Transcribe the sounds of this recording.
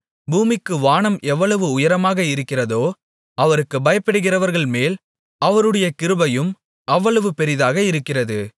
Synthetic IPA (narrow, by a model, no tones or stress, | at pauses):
buːmɪkːɯʋaːɳɐmʔɛʋːɐɭɐʋɯʊjɐɾɐmaːɣɐɪɾɯkːɪrɐðoː | ɐʋɐɾɯkːɯbɐjɐpːɪɽɯɣɪrɐʋɐɾɣɐɭmeːl | ɐʋɐɾɯɽɐjɐkɪɾɯbɐjɯm | ɐʋːɐɭɐʋɯpɛɾɪðaːɣɐɪɾɯkːɪrɐðɯ